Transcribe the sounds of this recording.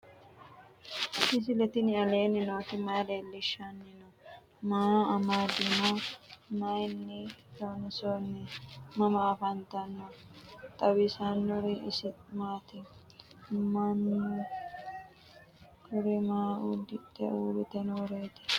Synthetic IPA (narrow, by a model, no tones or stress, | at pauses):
sɪs̬ɪlɛt̪ɪnɪɐleːnɪnoːt̪ɪmɐjleːlːɪʃanːɪnɔ | maːɐmaːd̪ɪmomɐjnːɪtonsonːɛmɐmɐːfɐnt̪ɐnːɔt̪ʼɐwɪsanːɔɾɪʔɪsmaːt̪ɪ | man | kʊɾɛmaːud̪ɪt̪ːɛ̰uːbɪt̪ɛnoːɾejt̪ɪ̥